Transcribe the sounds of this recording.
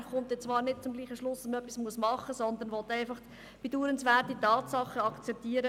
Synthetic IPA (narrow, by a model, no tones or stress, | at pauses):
fχʊmtjɛt͡svɑːɾnɪd̚t͡sʊmɡliːχəʃlʊsɛsmənœpːismuəsmɑχəsɔnd̪ənʋɔt̪aɪfɑχ | b̥eduːɾənsvɛrtitɑːtsɑχəɑkt͡sɛp̚tiːəɾə